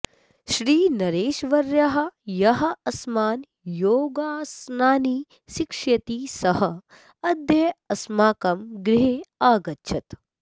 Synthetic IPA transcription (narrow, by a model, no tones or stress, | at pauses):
ʃɾiːnɐɾeːʃʋɐɾjɐɦɐ̆jɐɦɐ̆ɐsmaːn | joːɡaːsnaːniː | ʃikʂjɐt̪iːsɐɦɐ | ɐd̪jɐjɐsmaːkɐmɡɾiɦeːaːɡɐtːʃʰɐt̪